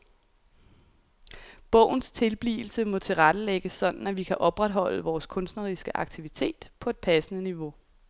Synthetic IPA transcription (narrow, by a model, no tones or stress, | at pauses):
b̥ɔ̰̽ʊ̰n̩st͡sʰe̝lb̥lḭːl̩səmɔ̽t͡sʰe̝lʁad̥əleɡ̥əsːɒ̽d̥n̩æʋikʰæʔɒ̽b̥ʁad̥ɦɒ̽l̰əʋɒːskʰɔ̽nsd̥nɐʁisɡ̥əʔɑ̈ɡ̥̚t͡sʰiʋit͡sʰe̝̰ːd̥pʰɒ̽e̝d̥̚pʰæsənəniʋo̝